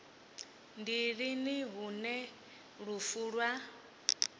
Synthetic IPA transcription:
ndiɺiniɦunɛ | ɺufuːɺwa

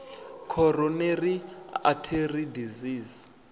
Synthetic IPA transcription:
kʰɔɾɔneria̰tʰeridiziːz

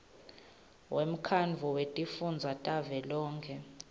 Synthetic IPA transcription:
wʔem̩kʰanvʱuwetʼifund͡zʱatʼavɛlɔːŋkʰɛ

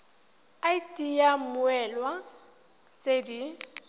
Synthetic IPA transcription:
aitʼijamʊɛlwa | t͡sʼedi

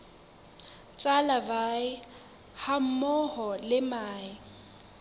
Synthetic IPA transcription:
t͡sʼalabaɪ | ham̩mɔhɔlɪmaːɪ

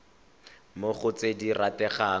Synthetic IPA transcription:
moχʊt͡sediratɛχaː

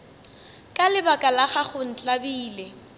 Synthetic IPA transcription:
kʼalɪbakʼalaχaχʊn̩t͡ɬʼabiːle

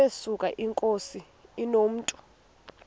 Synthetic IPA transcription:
esukʼaʔiŋkʼosiː | nom̩ːtʼu̥

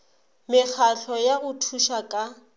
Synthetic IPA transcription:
mɪk͡xʰaɬʰɔjaɣʊtʰuʃakʼa

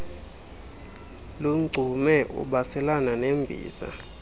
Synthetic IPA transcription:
luŋ͡ǀʱumɛʔṵɓasɛlananembʱḭːza̰

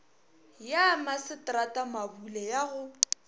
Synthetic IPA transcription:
jamasɪtʼratʼamabulɛjaɣʊ

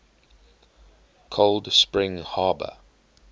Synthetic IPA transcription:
kʰoʊldspɹɪ̃ŋhɑːbə̰

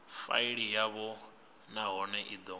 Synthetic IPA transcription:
fa̰iɺijaβɔ | naɦɔnɛʔid̪ɔ

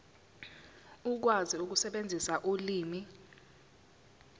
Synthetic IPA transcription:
uk̬waziuk̬usɛɓend͡zʱisaʔuliːmi

